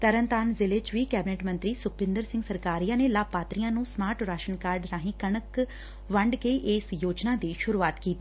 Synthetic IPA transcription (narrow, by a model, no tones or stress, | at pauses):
t̪əɾənt̪aːnzɪlɪt͡ʃʋiːkɛːbneːʈmə̃nt̪ɾiːsʊk̚ʰpɪ̃nd̪əɾsɪ̃ŋɡsəɾkaːɾijãːneːlaːbpaːt̪ɾijãːnũːsmaːɾʈɾaːʃənkaːɾɖɾãːɦĩkəɳək | ʋəɳɖkeʔeːsjoːd͡ʒnaːd̪iːʃʊɾuːaːt̪kiːt̪i